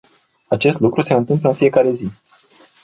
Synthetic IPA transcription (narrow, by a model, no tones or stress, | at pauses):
at͡ʃe̞st̪lukɾuse̞ɨnt̪ɨmpləɨnfije̞kaɾe̞zi